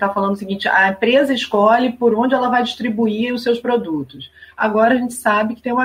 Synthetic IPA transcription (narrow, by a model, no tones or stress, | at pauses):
t̪afalɐ̃nd̪ʊsɪɡĩnt͡ʃɪɐĩpɾezɐɪʃkɔlɪpoɾõd͡ʒɪɛlɐvajd͡ʒiʃt̪ɾibuiɾʊsewspɾod̪ut̪ʊsa̰ɡɔɾɐʒẽnt͡ʃɪ̥sabɪkɪt̪ẽj̃ũmɐ